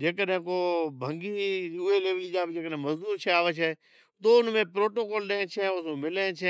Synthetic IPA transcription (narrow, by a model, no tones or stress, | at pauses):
d͡ʒeːkəɗɦɪ̃koːbʱə̃ŋɡiʊɦeleːʋəlid͡ʒaːbd͡ʒeːkəɗɦɪ̃mɐzd̪uːɾt͡ʃʰɛaːʋet͡ʃʰɛ | t̪oːʊnmẽpɾoːʈoːkoːlɗẽẽt͡ʃʰeʊsũmɪlãt͡ʃʰɛ